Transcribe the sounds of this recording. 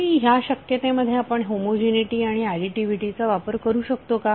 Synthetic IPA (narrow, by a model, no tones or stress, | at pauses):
iɦjaɕəkjət̪ẽməd̪ʱːjeapəɳɦomod͡ʑeniʈiːaɽ̃iaɽiʈiʋiʈit͡saʋapəɾkəɾuːɕək̚t̪oka